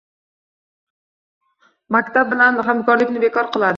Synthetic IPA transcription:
makʲt̪ab̚bɪlanɦamkɒɾlɪkʲnɪbekɒɾqɨlˠad̪ɪ

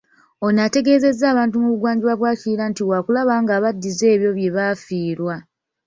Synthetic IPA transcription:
o̞nate̞ɡe̞ːze̞zːaːβaːntumuβuɡwaːɲɟiɾwaβwaːciiɾantiwakulaβaːŋɡaːβadːize̞ːβjo̞βje̞βaːfiːɾwa

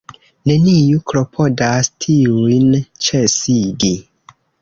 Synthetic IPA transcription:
ne̞niukɾo̞pʰo̞dastʰiujnt͡ʃesidi

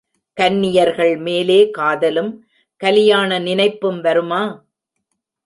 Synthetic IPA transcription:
kɐnːɪjɐɾɣɐɭmeːleːkaːðɐlɯm | kɐlɪjaːnɐnɪnɐɪpːɯmʋɐɾɯmaː

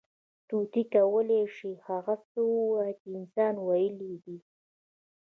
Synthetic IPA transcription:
t̪ut̪ikawəleʂihaɣat͡səwuat͡ʃiɪnsɑnwajəlid̪i

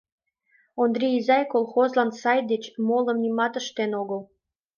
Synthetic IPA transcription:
ond̪ɾʲiizɑjkolˠxozlɑnsɑjd̪et͡ɕmolə̆mnimɑt̪əʃt̪enoɣəl

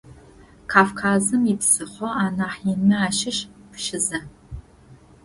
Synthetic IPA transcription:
kʰaːfkʰaːzɨmipsɨχʷɔaːnaːħjɪnɨaːʃɪʃpʃɪzɐ

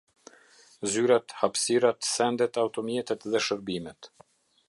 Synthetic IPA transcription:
zyɾat̪hapsiɾat̪sɛnd̪ɛt̪awt̪ɔmjɛt̪ɛt̪ðɛʃəɾbimɛt̪

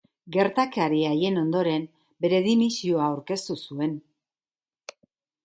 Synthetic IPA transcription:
ɡe̞ɾt̪akaɾiaje̞no̞nd̪o̞ɾe̞m | be̞ɾe̞ðimisioaːawɾke̞st̪usue̞n

